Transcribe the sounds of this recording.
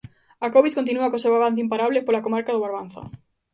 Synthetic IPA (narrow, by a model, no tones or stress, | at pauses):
akoβiðkont̪inuɐkosewaβanθ̬eimpaɾaβlɪpolakomaɾkaðoβaɾβan̟θɐ̰